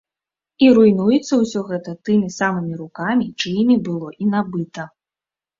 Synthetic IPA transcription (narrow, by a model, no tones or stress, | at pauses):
iɾujnujɛt̪sːɐwsʲɔɣɛt̪ɐt̪ɨmʲisamɨmʲiɾukamʲit͡ʂɨjmʲibɨlˠɔʔinabɨt̪ɐ